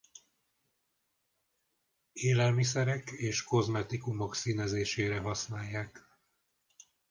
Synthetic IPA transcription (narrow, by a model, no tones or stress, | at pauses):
eːlɛlmisɛɾɛkeːʃko̞zmɛt̪ikumo̞ksiːnɛzeːʃeːɾɛɦɒsnaːjːaːk